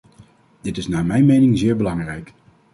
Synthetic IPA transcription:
dɪtɪsnaːmɛjnmejnɪŋzɪːɹbəlɑŋrɛjk

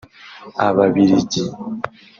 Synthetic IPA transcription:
a̰βaβiɾiɟi

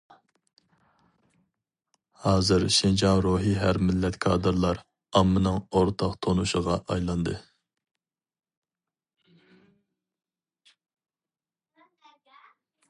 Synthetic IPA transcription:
hɑːzɨɾʃind͡ʒɑnɾoɦiɦæɾmɪlːɛt̪kʰɑːd̪ɨɾlˠɑɾ | ɑmːɨnɨŋoɾt̪ʰɑqt̪ʰonuʃəʁɑʔɑjlˠɑnd̪ɨ

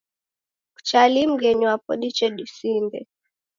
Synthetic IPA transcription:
ku̥t͡ʃalim̩ɡɛɲuapɔ̰ɗit͡ʃɛɗisimbɛ̰

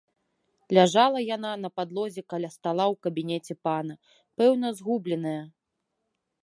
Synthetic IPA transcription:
lʲaʐalˠɐjananɐpad̪lˠɔzʲɛkalʲast̪alˠawkɐbʲinʲɛt͡sʲɛpanɐ | pɛwn̪ɐzɣublʲɛnɐjɐ

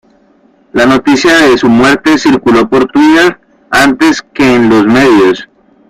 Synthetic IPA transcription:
lano̞t̪isjaðe̞sumwe̞ɾt̪e̞siɾkulo̞po̞ɾt̪wit̪eɾ | ant̪e̞ske̞ːnlo̞zme̞ðjo̞s

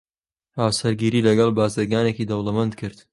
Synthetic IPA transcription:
haːwsɐɾɡiːɾiːlɐɡɐlˠbaːzɨɾɡaːnekiːd̪ɐwlɐmɐnd̪̚kʰɨɾd̪

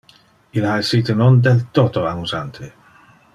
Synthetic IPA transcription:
ilaesiːt̪enond̪elt̪ot̪oamuzant̪ʰe

